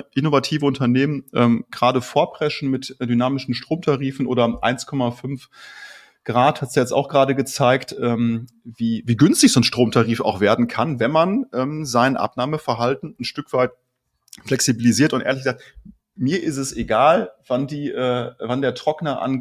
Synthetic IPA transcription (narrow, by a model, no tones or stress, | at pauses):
ʔɪnovatʰiːvəʊntɐneːmənʔɛːmɡ̥ʁaːdəfoːɐpʁ̥ɛʃn̩mɪtd̥ynaːmɪʃn̩ʃtʁ̥oːmtʰaʁiːfn̩ʔo̰ːɾɐʔa̰ɪnskʰɔmafʏnf | ɡ̥ʁaːthatz̥aːjɛt͡sta̰ʊxɡ̥ʁaːɾəɡət͡saɪktʔɛːm | viːviːɡʏnstɪçz̥oːnʃtʁ̥oːmtʰaʁiːfa̰ʊxv̥eːɐdn̩kʰanvɛnmanʔɛːmzaɪnʔa̰pnaːməfɛɐɦaltn̩n̩ʃtʏkv̥aɪt | flɛksibiliziːɐtʊntʔeːɐlɪçɡ̥əzaːk̚t | miːɐʔɪstɛseɡaːlvandiːʔɛːvandeːɐtʁ̥ɔknɐʔa̰n